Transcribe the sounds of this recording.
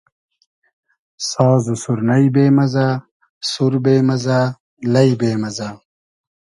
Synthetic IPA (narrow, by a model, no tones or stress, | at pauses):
saːzusuɾnɐjbeːmɐzaː | suɾbeːmɐzaː | lɐibeːmɐza